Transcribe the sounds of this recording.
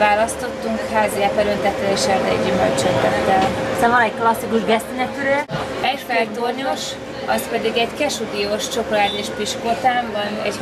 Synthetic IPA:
vaːlɒst̪o̞t̪ːuŋkhaːziɛfɛɾønt̪ɛt̪ʋɛeːʃɛlt̪ɛɟːymølt͡ʃɛnt̪ɛt̪ːɛlisɛɱvɒnɛcklɒsːikuʒbɛst̪inɛp̪yɾø | ɛcfɛlt̪orɲoʃ | ɒspɛd̪iɡɛɟkɛʃud̪ioʃt͡ʃo̞kolaːd̪eʃpiʃkot̪aːmbɒnɛ̰ɟ

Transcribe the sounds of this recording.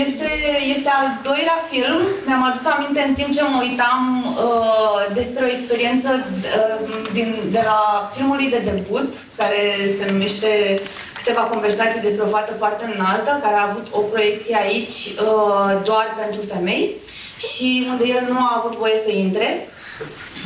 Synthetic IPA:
jest̪e̞je̞st̪e̞ald̪o̞jleafilmneamad̪usamint̪e̞ɨnt̪imp̚t͡ʃe̞məujt̪aməd̪e̞spɾe̞o̞ekspe̞ɾie̞nt̪səəd̪ind̪e̞lafilmulujd̪e̞d̪e̞but̪ | kaɾe̞se̞nume̞ʃt̪e̞ | kɨ̥t̪e̞vako̞nve̞rsat̪sijd̪e̞spɾeo̞fat̪əfoart̪eɨnalt̪əkaɾeaːvut̪ʰo̞pɾo̞je̞k̚t̪sije̞ait͡ʃʲəd̪oarpe̞nt̪ɾufe̞me̞j | ʃiund̪əjelnuaːvut̪vo̞je̞səint̪ɾe̞

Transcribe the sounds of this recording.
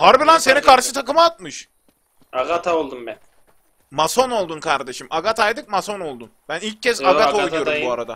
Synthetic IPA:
haɾbilˠanse̞nikʰaɾʃɯt̪ʰakɯmaːt̪̚mɯʃ | aɡat̪ʰaolˠd̪umbæn | maso̞no̞lˠd̪unkʰaɾd̪e̞ʃimʔaɡat̪ʰajd̪ɯk̚maso̞no̞lˠd̪unb̥ænilʲcʰːɛzaɡaoɡoɾmbuaɾad̪a

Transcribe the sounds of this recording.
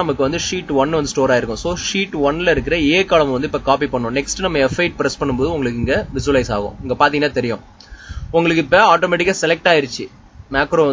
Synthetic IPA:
ɐmɐkːɯʋɐnd̪ɯʂiːʈːʋɐnːʋɐnd̪ɯsʈoːɾaːjɪɾɯkːʊ̃soːʂiːʈːʋɐnːɪlɐɪɾɯk̬ːɪɾɐeːkɐlɐmɐnd̪ɯɪpːɐkaːpipɐɳːʊ̃ːnɛksʈɯnɐmːɐɛfɐɪʈ̚pɪɾɛspɐɳːɯmboːðɯʊŋɡɐɭɯkːɪŋɡɐʋɪs̬ʊʋɐlɐɪsa̰ːɣʊ̰̃ɪŋɡɐpaːɾt̪iŋɐnaːt̪ɛɾɪjʊ̰̃ | ʊŋɡɐɭɯk̬ːɪpːɐaːʈoːmɛːʈɪkːaːsɛlɛk̚ʈaːjɪɾɯt͡ʃːɯ | maːkɾoːʋɐ

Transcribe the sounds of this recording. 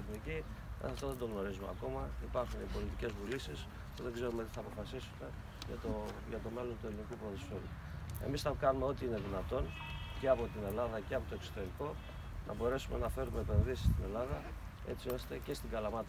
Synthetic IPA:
θnici | ḛɐft̪oðend̪o̞ɣno̞ɾizumeɐ̰ko̞mɐipɐɾxunipo̞lit̪ice̞zvulisis | ceðe̞ɡze̞ɾumet̪i̥θɐːpo̞fɐsisume̞ | jɐ̰t̪oʝɐt̪o̞me̞lo̞nt̪ue̞linikupɾoðosfelu | e̞̰misθɐkɐnume̞o̞t̪iine̞ðinɐt̪o̞n | ceɐpo̞t̪ine̞lɐðɐce̞ɐpo̞t̪oe̞kso̥t̪e̞ɾiko̞ | nʔɐ̰bo̞ɾe̞sume̞nɐfe̞ɾume̞ːpe̞nðisi̥st̪ine̞lɐðɐ | e̞̰t͡sio̞st̪ece̞st̪iɡɐlɐmɐt̪

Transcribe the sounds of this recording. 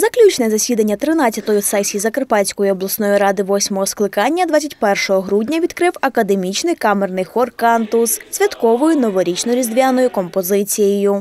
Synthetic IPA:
zɐklʲut͡ʃnɛzɐsʲʋʲid̪ɐnʲːɐt̪ɾɪnɑt͡sʲɐt̪ɔjʊsɛsʲizɐkerpɑt͡ssʲkɔjʊɔblˠɐsnɔjiɾɑd̪ɪʋɔsʲmɔɦɔsklˠɪkɑnʲːɐd̪ʋɑt͡sʲɐtʲpɛrʃɔɦɔɦɾudʲnʲɐʋʲid̪kɾɪwɐkɐd̪e̞mʲit͡ʃnɪjkɑmernɪjxɔrkɑnt̪ʊssʲʋʲɐt̪kɔʋɔjʊnɔʋɔɾʲit͡ʃnɔɾʲizd̪ʲʋʲanɔjʊkɔmpɔzɪt͡sʲijejʊ

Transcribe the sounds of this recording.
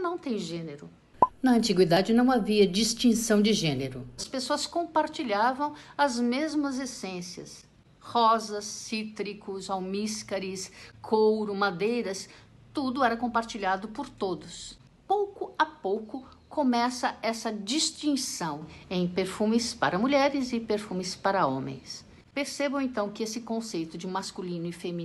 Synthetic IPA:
nɐ̃w̃t̪ẽj̃ʒẽneɾʊ | nɐɐ̃nt͡ʃiɡwid̪ad͡ʒɪnɐ̃w̃aviɐd͡ʒist͡ʃĩsɐ̃w̃d͡ʒɪʒẽneɾʊɐspesoɐskõpaɾt͡ʃiʎavɐ̃w̃ɐzmezmɐzesẽsiɐ̰s | hɔzɐsːit̪ɾikʊzawmiskaɾiskʰowɾʊmad̪ejɾɐs | t̪ud̪ʊɛɾɐkõpaɾt͡ʃiʎad̪ʊpʊɾt̪od̪ʊs | powkʊapowkʊ | komɛsɐɛsɐd͡ʒist͡ʃĩsɐ̃w̃ẽj̃peɾfũmɪspaɾɐmuʎɛɾɪzɪpeɾfũmɪspaɾɐõ̰mḛ̃j̃s | peɾsebɐ̃w̃ẽt̪ɐ̃w̃kɪesɪkõsejt̪ʊd͡ʒɪmaskulĩnʊɪfemĩ

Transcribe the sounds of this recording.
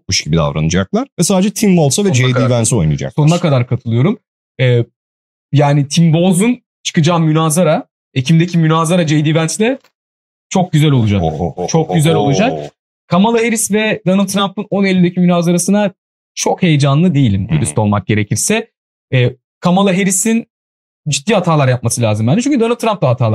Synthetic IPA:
kuʃɡɟibid̪a̰vɾa̰nɯd͡ʒak̚lˠaɾ̥vɛsaːd̪ed͡ʒɛt̪ʰimbolˠsavɛd͡ʒejd̪iːvænso̞jnɯ̰d͡ʒa̰kso̞nunakad̪aɾkʰat̪ʰɯlˠɯjo̞ɾum | ɛː | jaːnit̪ʰimbo̞zun | t͡ʃʰɯ̥kɯd͡ʒaːmynaːzaɾa | ecʰimd̪ecʰimynʲaːzaɾad͡ʒejd̪iːvænsd̪ɛ | t͡ʃʰo̞k̚ɟyzælʲo̞lˠud͡ʒakt͡ʃʰo̞k̚ɟyzælʲo̞lˠud͡ʒak | kʰamalˠaɦe̞ɾisvɛd̪anɯlʲt̪ːɾampɯno̞nelʲːid̪ecʰimynaːzaɾasɯna | t͡ʃʰo̞khe̞jed͡ʒanlˠɯd̪e̞jilʲimd̪uɾyst̪o̞lˠmak̚ɟ̥e̞ɾe̞cʰiɾsɛ | ɛː | kʰamalˠaɦe̞ɾisin | d͡ʒit̪ːiːhat̪ʰaːlˠaɾjap̚masɯlʲaːzɯmbænit͡ʃʰyɲcʰʲyd̪onɯlʲt̪ːɾamp̚d̪ˠaɦat̪ʰaːlˠa

